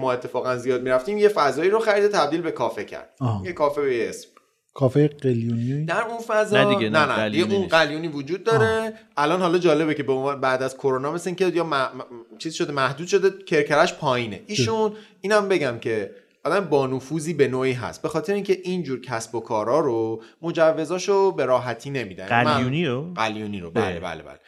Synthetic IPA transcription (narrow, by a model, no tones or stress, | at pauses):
mɒːe̞t̪ʰːe̞fɒːɣænzijɒːd̪̚miɾæft̪iːmje̞fæzɒːiːɾoxæɾiːd̪et̪ʰæbd̪iːlbe̞kʰɒːfe̞cʰæ̰ɾd̪̥̚jekʰɒːfebejesm | kʰɒːfejeɢeljuːnid̪æɾunfæzɒinnænæd̪iɡeũnɢæljuːniːvod͡ʒuːd̪̚ːɒːɾe̞ʔælɒːnhɒːlɒːd͡ʒɒːle̞becʰe̞beonvːnbæːd̪æz̥kʰo̞ɾonɒːme̞seiŋcʰejɒmæt͡ʃʰiːzʃo̞d̪emæhd̪uːd̪̥ʃo̞d̪e̞cʰe̞ɾcʰæɾæʃpʰɒːjiːnḛʔiːʃun | iːnæmbe̞ɟæmcʰe̞ | ɒːd̪æmebɒːnufuːziːbe̞noːiːɦæ̰st̪̚be̞xɒːt̪ʰeɾeiŋcʰe̞ʔind͡ʒuːɾcʰæsbo̞kʰɒːɾɒːɾomod͡ʒævːe̞zɒːʃobe̞ɾɒːɦæt̪ʰiːne̞mid̪æ̰njilimæuniɾoɢæljuːniːɾobæ̰ːlḛbæ̰ːlebæ̰le